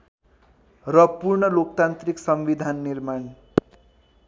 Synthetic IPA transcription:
rʌpurɳʌlok̚t̪ant̪riksʌmʋid̪ʱanːirman

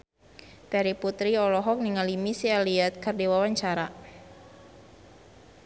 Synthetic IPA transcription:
daɾiput̪ɾiɔlɔɦɔk̚niŋalimisialiat̪̚kərdewawaɲt͡ʃaɾa

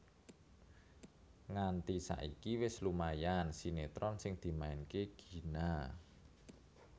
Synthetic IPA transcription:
ŋant̪isa̰ʔikiwɪslumajansinet̪ɾɔnsɪŋd̪̥i̤maɪnkeɡ̥i̤na

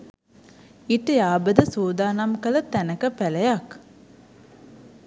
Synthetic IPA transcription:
iʈəjaːbəd̪əsuːd̪aːnamkələt̪ænəkəpæləjak

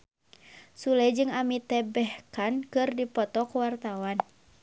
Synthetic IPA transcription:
sulɛd͡ʒɨŋamit̪ɛbɛhkankɨrdipɔt̪ɔkuwart̪awan

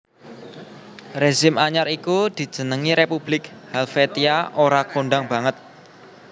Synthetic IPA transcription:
reʒɪmaɲaɾikud̪̥i̤̥d͡ʒ̥ə̤nəŋiɾepublɪk̚halfet̪iaʔoɾakoɳɖaŋb̥a̤ŋət̪̚

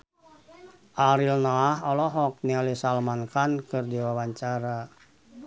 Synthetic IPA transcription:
ʔaɾilnɔahɔlɔɦɔk̚nialisalmankankɨrdiwawaɲt͡ʃaɾa

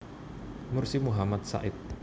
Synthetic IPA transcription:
mʊrsimuɦamat̪̚sa̰ʔɪt̪̚

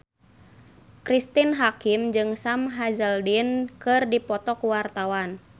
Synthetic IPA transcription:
kɾist̪inɦakimd͡ʒɨŋsamɦazəldinkɨrdipɔt̪ɔkuwart̪awan

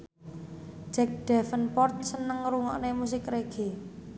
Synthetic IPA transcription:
d͡ʒ̥ɛk̚ɖ̥ɛ̤fənpɔrt̪̚sənəŋɾuŋɔ̰ʔnemus̬ɪkɾeɡ̥e̤

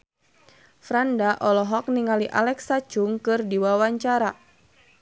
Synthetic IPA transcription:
fɾandaʔɔlɔɦɔk̚niŋaliʔa̰lɛksat͡ʃuŋkɨrdiwawaɲt͡ʃaɾa

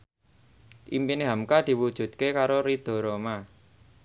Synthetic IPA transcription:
ʔḭmpineɦamkad̪̥i̤wud̥ʒ̥ṳt̪̚kekaɾoɾid̪̥o̤ɾoma

